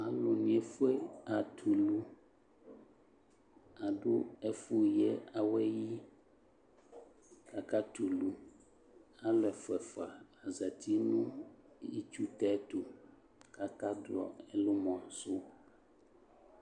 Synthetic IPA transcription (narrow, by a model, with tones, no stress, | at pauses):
a˨lo˨nĩ˨e˨fu˦e˦a˨t̪ʰu˨lu˦ | a˨ɖo˦ɛ˦fu˦jɛ˦a˨wɛ˦ji˦ | ka˨ka˦t̪u˨lu˦ | a˦lɛ˨fɛ˨fa˨a˨zɛ˨t̪ʰi˦nũ˦ | jḭ˦t͡ʃu˦t̪ɛ˦t̪o˨ | ka˦ka˦dlɔ̰˨ɛ˦lo˦mɔ̃˨so˦